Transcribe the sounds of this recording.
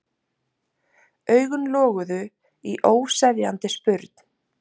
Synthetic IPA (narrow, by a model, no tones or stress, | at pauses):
œːɥɣʏnlɔːɣʏðʏ | iʔoːwsɛðjant̪ɪspʏɾt̪